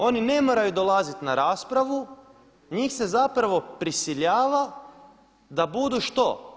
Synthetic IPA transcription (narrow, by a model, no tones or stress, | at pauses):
o̞nine̞moɾajud̪o̞lazit̪naɾaːspɾaʋu | ɲiːxse̞zapɾaʋo̞pɾisiʎaːʋa | d̪abud̪uʃt̪o̞